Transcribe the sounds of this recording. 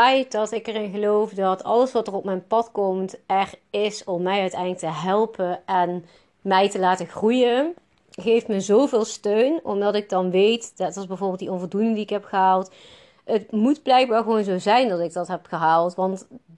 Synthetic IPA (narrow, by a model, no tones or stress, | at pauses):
ɛjt̚dɑtɪkərɪnɣəlowfdɑtʰɑ̰ləsʋɑtərɔp̚mɛjnpɑtkɔmtɛrɪsɔmːɛjœɥtɛjnləktəɦɛlˠpəɛn | mɛjtəlaːtəxrujə | χejfməzowvɪːlˠstøɥnɔ̰mdɑtɪɡ̚dɑnʋejtdɛtɑsbɛjvoːɹbɪlˠdiɔnvɔlˠdunɪŋdiɪkɦɛpχəɦaːlˠt | ətmudblɛjɡ̚baːɹɣəʋownzowzɛjndɑtɪɡ̚dɑtɦɛpχəɦaːlˠtʋɑnt